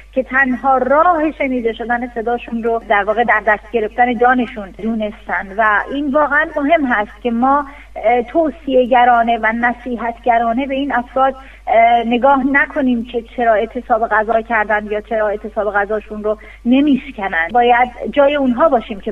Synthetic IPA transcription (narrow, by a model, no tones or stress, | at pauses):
cʰe̞t̪ʰænɦɒːɾɒːhe̞ʃe̞niːd̪e̞ʃo̞d̪æne̞se̞d̪ɒːʃunɾod̪æɾvɒːɣe̞d̪æɾd̪æst̪̚ɟe̞ɾe̞ft̪æne̞d͡ʒɒːne̞ʃund̪uːne̞st̪ænd̪væʔiːnvɒːɣeænmoɦe̞mɦæst̪̚cʰʲe̞mɒː | t̪ʰoːsie̞ɟæɾɒːne̞vænæsiːɦæt̪ʰɟæɾɒːne̞be̞iːnæfɾɒːd̪ | ne̞ɡɒːhnækʰo̞niːmcʰe̞t͡ʃʰe̞ɾɒːe̞t̪ʰːe̞sɒːbeɣæzɒːcʰæɾd̪ænd̪jɒːt͡ʃʰeɾɒːe̞t̪ʰːe̞sɒːbe̞ɣæzɒːʃunɾo | ne̞miːʃcʲʰænænd̪bɒːjæd̪d͡ʒɒːjeunɦɒːbɒːʃiːmcʰe